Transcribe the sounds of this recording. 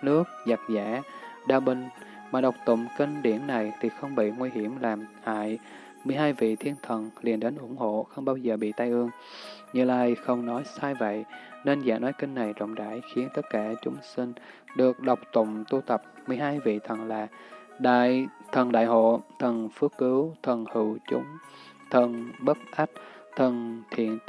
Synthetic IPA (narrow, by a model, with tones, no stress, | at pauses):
nɨ˦˥ək̚za˨˩t̚zaː˧˥ɗaː˧ɓï˧ŋ̟ | maː˨˩ɗə˨˩wk͡p̚t̪ʊ̰˧˨ŋ͡mki˧ŋ̟ɗi˧˩ənːa˨˩jt̪ʰi˨˩xə˧wŋ͡mɓḭ˧˨ŋwi˧hi˧˩əmlaː˨˩mha̰ː˧˨j | mɨ˨˩əjɦaː˧jvḭ˧˨t̪ʰi˧ənt̪ʰə˨˩nli˨˩ənɗe˨˦nʔʊ˧˩ŋ͡mho̰˧˨xə˧wŋ͡mɓaː˧wzəː˨˩ɓḭ˧˨t̪a˧jʔɨ˧əŋ | ɲɨ̰˧˨laː˧˩jxə˧wŋ͡mnɔ˨˦jsaː˧jvə̰˧˨jne˧nza̰ː˧˩nɔ˨˦jkï˧n̟ːa˨˩jzə̰˧˨wŋ͡mɗa̰ː˧˩jxi˨˦ənt̪ə˦˥t̚kaː˧˩t͡ɕʊ˨˦ŋ͡msi˧ŋ | ɗɨ˨˩ək̚ɗə˨˩wk͡p̚t̪ʊ̰˧˨ŋ͡mt̪u˧t̪ə˨˩p̚mɨ˨˩əjɦaː˧jvḭ˧˨t̪ʰə˨˩nlaː˨˩ | ɗa̰ː˧˨jt̪ʰə˨˩nɗa̰ː˧˨jɦo̰˧˨t̪ʰə˨˩nfɨ˨˦˥əkkɨ˨˦wt̪ʰə˨˩nhɨ˧˩˨wt͡ɕʊ˨˦ŋ͡m | t̪ʰə˨˩nɓə˦˥t̚ʔa˦˥t̚ | t̪ʰə˨˩nt̪ʰḭ˧˨ən